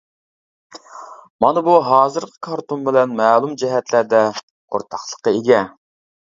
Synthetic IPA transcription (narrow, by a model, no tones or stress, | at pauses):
mɑnɨbuɦɑːzɨɾqʰə̥kʰɑɾt̪unbɪlɛnmɛːlˠumd͡ʒɛɦɛt̪læɾd̪ɛ | qʰo̰ɾt̪ʰɑχlˠə̥qːəeɡʲɛ